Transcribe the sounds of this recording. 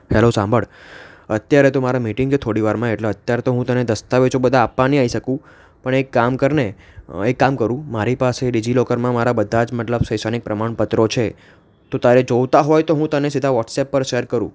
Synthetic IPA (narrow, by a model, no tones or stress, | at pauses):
hɛlosãmbʱəɽət̪jaɾet̪omaɾamiʈɪŋɡket̪ʰoɽiʋaɾmãeʈleət̪jaɾet̪oɦũt̪əned̪əst̪aʋet͡ʃʰobəd̪ʱãːpːaniaiʃəkũ | pəɳekːamkəɾne | ekːamkəɾũmaɾipaseɖid͡ʒilɔkəɾmãmaɾabəd̪ʱːad͡ʒməʈləbsəjsanik̚pɾəmaɳpət̪ɾot͡ʃʰe | t̪ot̪aɾed͡ʒoʋt̪aɦojt̪oɦũt̪ənesid̪ʱaʋɔʈsɛpːəɾʃeɾkəɾṵ̃